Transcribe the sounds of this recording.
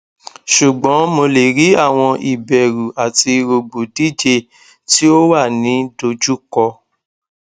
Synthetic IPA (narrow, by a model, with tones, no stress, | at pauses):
ʃu˨ɡ͡bɔ̃˨˦mo˧le˨ɾi˨˦a˦˨w̃ɔ̃˧ʔi˨bɛ˨ɾu˨ʔa˨ti˧ɾo˧bo˨di˦d͡ʒe˧ | ti˦o˦wa˦˨nĩ˨˦do˧d͡ʒu˦kɔ˧